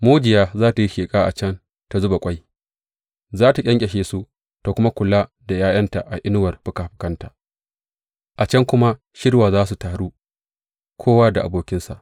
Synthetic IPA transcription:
moː˦d͡ʒɪ˨jaː˦zaː˦ta˨ji˦ʃeː˨kʼaː˦ʔa̰˨t͡ʃɐ˦n | ta˨zʊ˦ba˨kʷʼa˦j | zaː˦ta˨kʲʼɐ˦ŋkʲʼɛ˨ʃeː˨su˦ | ta˨kʷʊ˦ma˦kʷʊ˨la˦ | da˨jaː˦j̰ɐ˦nta˨ʔa˨ʔɪ˦nʊ˦wɐ˨rbʊ˨kaː˨ɸɪ̥˦kɐ˦ntaː˨ | ʔa˨t͡ʃɐ˦ŋkʷʊ˦ma˦ | ʃɪ˦rwaː˨zaː˦su˨taː˨ɽuː˦ | kʷʰoː˦waː˦da˨ʔa̰˨boː˦kʲɪ˦nsa̰˨ʔ

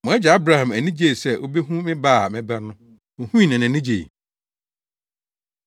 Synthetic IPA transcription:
mʊ̃˨˦ɛ˦d͡ʑa˨a˦bɾa˨hã˨mæ˨nĩ˦d͡ʑe˦˨sɛ˦ʔo˦be˦ɦũ˦mɪ̃˦ba˦˨mɪ̃˦ba˦nʊ̃˦ | ʊ˨hũ˦i˦˨nã˨nɪ̃˨nĩ˦d͡ʑe˨

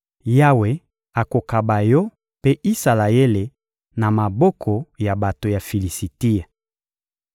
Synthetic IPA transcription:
ja˦we˨ | a˨ko˨ka˨ba˨jɔ˦ | pe˦ʔi˦sa˨la˨je˦le˨ | na˨ma˨bɔ˦kʰɔ˨ja˨ba˨to˨ja˨fi˨li˨si˨ti˦a˨

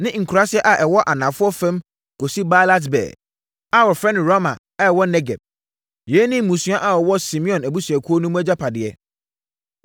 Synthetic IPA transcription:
nɪ̃˦ŋ̩˨kʰu˨ɾa˦sɪ˦ɛ˦ʔa˨ʔɛ˨wɔ˦ʔa˨nã˨fʊ˦ɔ˦fɛ̃˦m | ko˨si˦ba˦la˦t̬bɛ̰ː˨ | a˦wɔ˨fɾɛ˦nɪ̃˨ɾɔ˦mã̰˨ | ɛ˦˨wɔ˦nɛ˦ɡɛ̰˨b̚ | jɛ˨˦nĩ˦mũ˨su˦ã˦ʔa˦˨wɔ˨wɔ˦sĩ˨mĩ˦ɔ̃˨næ˨bu˦sɥɛ˨kʰu˦o˦nũ˦m˦æ˦d͡ʑa˦pʰa˨dɪ˨ɛ̰˨

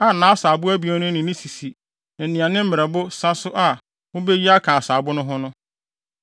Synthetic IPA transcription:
a˨nãː˨˦saː˨bʊ˦æ˦bi˨a˦nʊ̃˦nɪ̃˨nĩ˦si˨si˨ | nã˨n̩˨nĩ˨ã˨nɪ̃˦m̩˦mɪ̃˨ɛ˨bʊ˦sa˦sʊ˦ʔa˨ | wʊ̃˦be˦ji˦a˦kʰã˨saː˨bʊ˦nʊ̃˦ɦʊ˦nʊ̃˦

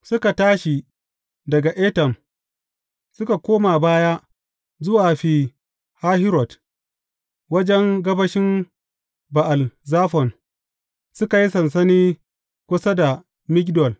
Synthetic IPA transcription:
sʊ˦ka˨taː˦ʃi˨ | dɐ˨ɡa˨ʔe˦tɛ˨m | sʊ˦ka˨kʷoː˦ma˨baː˦ja˦ʔ | zʊ˦waː˨ɸiː˨ | ha˦hɪ˦ɾɔ˨t | wɐ˦d͡ʒɛ˦ŋɡɐ˦bɐ˦ʃɪ˦m | ba˨ʔa˨lzaː˦ɸɔ˨n | sʊ˦ka˨ji˦sɐ˨ns̬ɐ˦niː˦ | kʷʊ˦sɐ˦da˨ | mɪ˦kʲdɔ˨l

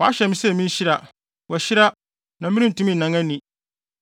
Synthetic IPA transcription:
wɔ˨a̰˦ɕɛ˨mĩ˦sɛ˦˨mĩ˦n˦ɕɪ˦ɾa˨ | wɔ˨ɕɪ˦ɾa˦ | nã˨mɪ̃˦nĩ˦n̩˨tũ˦mĩ˦˨nã˨ŋã˦nĩ˨

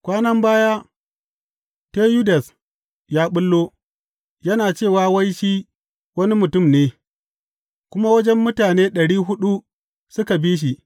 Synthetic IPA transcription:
kʷaː˦nɐ˦mbaː˦ja˦ | teː˦ju˦da˨s | jaː˦ɓʊ˦lːoː˦ | jɐ˦naː˨t͡ʃeː˦˨waː˦wɐ˦jʃi˦ | wɐ˦ni˦mʊ˨tʊ˦˨mneː˦ | kʷʊ˦ma˦wɐ˦d͡ʒɛ˦mːʊ˦taː˨neː˦ɗɐ˨ɽiː˦ɦʊ˦ɗu˦ | sʊ˦ka˨biː˦ʃ̬i˨ʔ

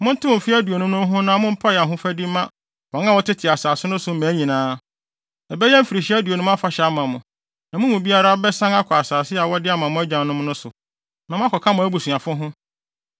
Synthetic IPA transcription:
mʊ̃˦n̩˦tʰʊ˦ʊ̃˨fi˦æ˦du˨o˨nʊ̃˦nʊ̃˦m˦ɦʊ̃˦nã˦mʊ̃˦m̩˦pʰa˦jɛ˨a˨ɦʊ̃˦fæ˦di˦mã˦ | fɔ̃˨˦a˦wɔ˦tʰɪ˦tʰɪ˨a˨saː˨sɪ˦nʊ̃˦sʊ˨˦mæ̃˨˦ɲĩ˨nãː˦ | ɛ˨bɛ˦jɛ̃˦m̩˦fi˨ɾi˨ɕi˦æ˦du˨o˨nʊ̃˦m˦a˦fa˨ɕɛ˨a˦mã˨mʊ̃˨ | nã˨mʊ̃˦mũ˨bi˦a˦ɾa˦ɔ˦bɛ˦sã˦na˦kʰɔ˨a˨saː˨sɪ˦a˨wɔ˦dɪ˦a˦mã˨mʊ̃˦æ˦d͡ʑᶣã˨nnʊ̃˦m˦nʊ̃˦sʊ̰˨ | nã˨mʊ̃˦a˦kʰɔ˨kʰa˦mʊ̃˨æ˦bu˨sũ˨ã˨fʊ̃˦ɦʊ̃˦

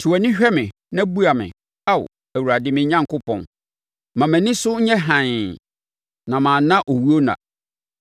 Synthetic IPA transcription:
tʰu˨æ˨nɪ̃˦ɕᶣɛ˦mɪ̃˨ | nã˦bu˦a˨mɪ̰̃˨ | a˦˨w̰ | æ˨wu˨ɾa˨dɪ˦mɪ̃˨ɲ˦ɲã˦ŋ˦kʰʊ˦pʰɔ̃˨n | mã˨mæ̃˨nɪ̃˦sʊ˦ɲ̩˦ɲɛ̃˦ɦã˨n˨ | nã˨mã˨˦nã˦ʔo˨wu˦o˦nã̰˨

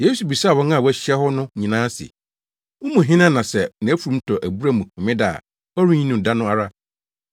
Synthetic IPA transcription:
jeː˦su˨bi˨saː˦˨wɔ̃˦ŋã˦˨wæ˦˨ɕɛ˦hɔ˦nʊ̃˦ɲĩ˨nãː˦sɪ̰˨ | wʊ̃˦mũ˨ɦɪ̃˦nã˦nã˨sɛ˨nɪ̃˨æ˦fu˨ũ˦m˦tʰɔ˨ʔæ˨bu˦ɾa˦˨mũ˨kʰɔ̃˨mɪ̃˦daː˨ | ɔ˦ɾĩ˦ɲĩ˦nũ˨da˦nʊ̃˦a˨ɾa˦

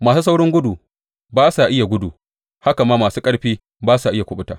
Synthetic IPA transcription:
maː˨suː˦s̬a˦wɽɪ˦ŋɡʷʊ˦du˨ | baː˦sa˨ʔɪ˦ja˨ɡʷʊ˦du˨ | ha˦ka˨maː˦maː˨suː˦kʼɐ˦ɽɸiː˦ | baː˦sa˨ʔɪ˦ja˨kʷʊ˦ɓʊ˦taː˨

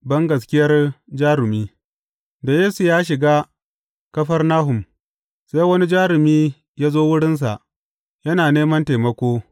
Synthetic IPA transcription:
bɐ˦ŋɡɐ˨s̬kʲɪ˦jɐ˦rd͡ʒaː˦ɾɪ˨miː˦ | da˨jeː˦su˨jaː˦ʃ̬ɪ˨ɡaː˦ | kɐ˦ɸɐ˦rnaː˦ɦʊ˨m | sa˦jwɐ˦ni˦d͡ʒaː˦ɾɪ˨miː˦ | jaː˦zoː˦wʊ˦ɽɪ˦ns̬a̰˨ʔ | jɐ˦naː˨neː˦mɐ˦nteː˨mɐ˦kʷoː˦

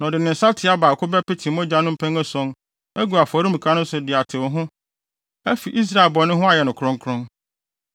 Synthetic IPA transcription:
n˨ɔ̃˨dɪ˨nɪ̃˨n̩˨sa˦tʰɪ˨˦a˦baː˨kʰʊ˦bɛ˦pɪ˦tʰĩ˨˦mɔ̃˦d͡ʑa˦nʊ̃˦m̩˦pʰæ̃˦ŋɛ˦sɔ̃˦n | æ˦ɡu˨a˨fɔ˨˦ɾi˦mĩ˨kʰã˨˦nʊ̃˦sʊ˨dɪ˨a˨tʰɪ˨wɔ˨˦ɦʊ̃˦ | æ˦fi˨ʔi˦s̬ɾa˦e˨lbɔ˨˦nʊ̃˦ɦʊ̃˦a˨jɛ˨nʊ̃˨kʰɾʊ̃˦ŋ˦kʰʊ˦ɾʊ̃˦ŋ

